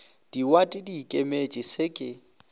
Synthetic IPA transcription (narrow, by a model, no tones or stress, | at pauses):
d̥iwatʼɪdikʼemet͡ʃʼɪsɪkʼɪ